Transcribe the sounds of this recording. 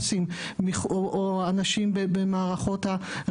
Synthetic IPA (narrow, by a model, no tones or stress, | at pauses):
sim | miχoʔoanaʃimbebemaːʁaχo̞tha